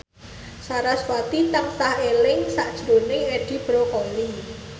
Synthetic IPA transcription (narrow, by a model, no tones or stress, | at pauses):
saɾaswat̪it̪aŋsahelɪŋsaʔd̥ʒ̥ɾo̤nɪŋeɖ̥i̤b̥ɾokoli